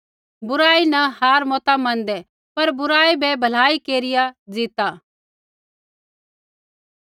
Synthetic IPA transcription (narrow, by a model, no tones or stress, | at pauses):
bʊɾaːinɐɦaːɾmɔːt̪amɐ̃ːnd̪ɛ | pɐɾbʊɾaːibɛbʱɐlaːikeːɾɪjad͡zɪt̪aː